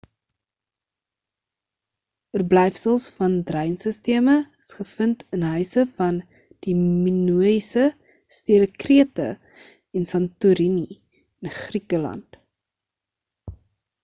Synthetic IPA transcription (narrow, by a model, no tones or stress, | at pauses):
ərblɛjfsəlˠsfɐndrəjnsəstiəməəsχəfəntənɦœɥsəfɐn | d̥iminuəisə | stiəɾəkriətə | ɛnsɐntuɾini | ənχrikəlɐ̰nt